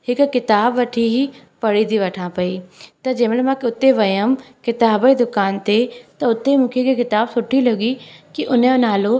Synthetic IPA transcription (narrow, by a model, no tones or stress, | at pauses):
hɪkkɪt̪aːbʋɐʈʰiɦi | pɐɽid̪iʋɐʈʰãpɐit̪ɐd͡ʑɐːmɪɽmãʊt̪eʋɐjəmkɪt̪aːbid̪ʊkaːnt̪et̪ɐʊt̪emũːkʰekkɪt̪aːbsʊʈʰiloɡikiʔʊn̤jonaːlo